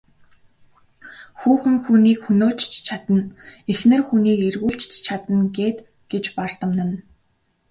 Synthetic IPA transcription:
xuːxɘ̆ŋxuniːkxɵnoːt͡ɕt͡ɕt͡ɕʰat̪ə̆nexnɘ̆rxuniːkerɣuːɮt͡ɕt͡ɕt͡ɕʰat̪ə̆nɡeːt̪ | ɡ̥et͡ɕpar̥t̪ə̆mnə̆n

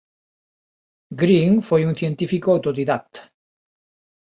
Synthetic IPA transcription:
ɡɾiŋfojuŋθjent̪ifikoawt̪oɾiðat̪

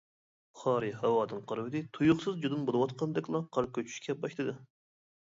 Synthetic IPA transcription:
χɑːɾɨhɛwɑːd̪ɨnqʰəɾwɪd̪ɨt̪ʰujuχsɨzd͡ʒud̪ɨnbolˠɨwɑt̪̚qɑnd̪ɛkʲlˠɑqʰɑɾ̚kʲøt͡ʃʰy̥ʃkʲɛbɑʃlt̪ɨd̪ɨ

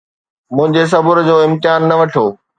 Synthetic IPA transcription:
mʊ̃ɦɪ̃ɲd͡ʑes̬ɐbʊɾd͡ʑoːɪ̃mt̪ɪjaːnːɐʋɐʈʰoː

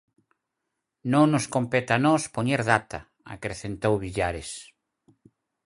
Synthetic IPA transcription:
nõŋnoskompɛt̪anɔspoɲeɾðat̪a | a̰kɾeθent̪owβiʎaɾes

